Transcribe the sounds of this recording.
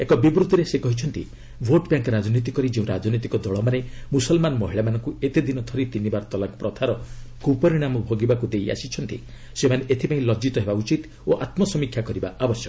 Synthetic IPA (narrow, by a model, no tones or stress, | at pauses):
ekɔbibɾud̪ʱːiɾesekɔɦit͡ʃʰɔnt̪i | bʱoʈbjaŋkɾad͡ʒɔnit̪̬ikɔɾid͡ʒeũɾad͡ʒɔnit̪ikɔd̪ɔɭɔmanemusɔlmanɔmɔɦiɭamanɔŋkuet̪ed̪inɔt̪ʰɔɾit̪inibaɾɔt̪ɔlakpɾɔt̪ʰaɾɔkupɔɾiɽ̃amɔbʱoɡibakud̪eja̰sit͡ʃʰɔnt̪ḭ | semaneʔet̪ʰipaĩlɔd͡ʒit̪ɔɦebaut͡ʃit̪ | oʔat̪mɔsɔmikʰjakɔɾibaʔabɔsjɔk